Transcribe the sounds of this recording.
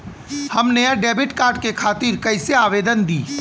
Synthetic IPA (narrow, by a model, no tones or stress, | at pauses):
hɐmneɖeːbɪʈkaːɾɖkekʰaːt̪iːɾkɐɪseaːʋeːd̪ənd̪iː